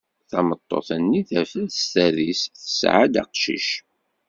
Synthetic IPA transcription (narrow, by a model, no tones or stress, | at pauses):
θɑmət̪ˤːo̰θænːiθæfələst̪æðisθəsʕad̪ɑ̰qʃḭʃ